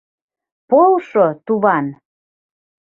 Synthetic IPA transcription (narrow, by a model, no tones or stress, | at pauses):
polʃot̪uβɑn